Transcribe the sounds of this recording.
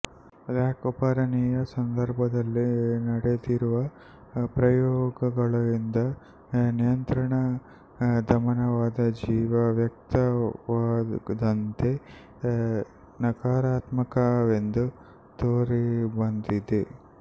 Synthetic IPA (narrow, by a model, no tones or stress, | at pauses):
ɐd̪aːkupaɾɐniːjɐsɐnd̪ɐɾbʱɐd̪ɐlːinɐɽed̪iɾuʋɐ | pɾɐjɔːɡɐɡɐɭɐʋind̪ɐ | nijɐnt̪ɾɐɳɐ | d̪ʱɐmɐnɐʋaːd̪ɐd͡ʒiːʋɐʋjɐk̚t̪ɐʋaːd̪ɐnt̪e̞ | nɐkaːɾaːt̪mɐkɐʋe̞nd̪u | t̪oːɾibɐnd̪id̪e